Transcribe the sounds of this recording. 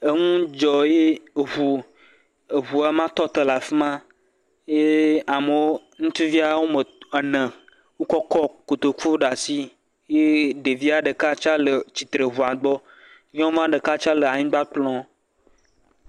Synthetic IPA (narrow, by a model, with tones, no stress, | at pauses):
e˦ŋũ˦d͡ʒɔ˨je˦˨ɦu˨ | e˨ɦu˨a˦mã˦t̪ɔ˦t̪e˦la˨fi˦mã˦ | je˦a˨mə˨wo˦ | ŋũ˦t̪i˦vi˦a˨wo˦mə˨ɛ˨nə̃˨ | wo˦kɔ˦kɔ˦ko˨t̪o˨ku˦ɖa˨si˦ | je˦ɖe˨vi˦a˨ɖə˨ka˦t͡ʃa˦lə˨t͡ɕi˨t̪ɾe˨ɦu˨a˨ɡ͡bɔ˦ | ɲẽ˦wo˦m˦ã˦ɖə˨ka˦t͡ʃa˦lə˨a˨ɲĩ˦ɡ͡ba˦k͡plɔ̃˦